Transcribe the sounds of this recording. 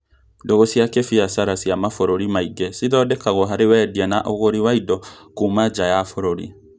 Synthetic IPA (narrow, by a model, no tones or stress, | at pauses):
ndoɣosiakefiasaɾasiamafoɾoɾimaiɡɛsiðɔːdɛkaɣɔɦaɾewɛːdianaʔoɣoɾiwaidɔkumad͡ʒajafoɾoɾḭ